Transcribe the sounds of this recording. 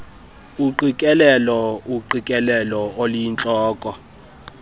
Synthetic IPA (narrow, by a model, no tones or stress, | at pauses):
uǃikʼɛlɛlɔuǃikʼɛlɛlɔolijint͡ɬʼɔːkʼɔ